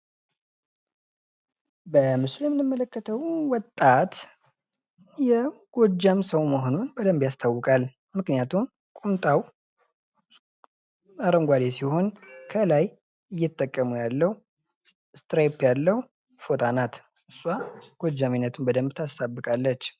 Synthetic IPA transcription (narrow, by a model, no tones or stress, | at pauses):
bəmɨslujɛmːɨnɨmːələkːət̪ʰəwwɔt̪ʼːat̪ | jɛɡ̥od͡ʒːamsəwməɦono̞nbəd̪əmbjast̪ʰawːɔkʼal | mɨknijat̪ʰum | kʼumt̪ʼaw | aɾəmɡʷad̪esiho̞nkʰəlaj | ɨjːɛt̪ʼːəkʼːəmujalːəhu | st̪ɾepjalːəhu | fo̞t̪ʰanat̪ | ɨsʼwaɡ̥od͡ʒːaminːət̪ʰunbəd̪əmbt̪ʰasabːɨkʼalːət͡ʃː